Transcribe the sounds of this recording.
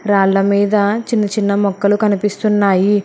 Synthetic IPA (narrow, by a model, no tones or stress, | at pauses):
ɾaːlːɐmiːd̪ɐt͡ʃinːɐt͡ʃinːɐmɔkːɐlukɐnipist̪unːaːji